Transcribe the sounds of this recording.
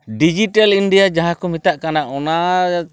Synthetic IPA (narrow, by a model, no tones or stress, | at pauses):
ɖid͡ʒiʈalinɖiad͡ʒaɦakɔmit̪aʔkanaʔɔna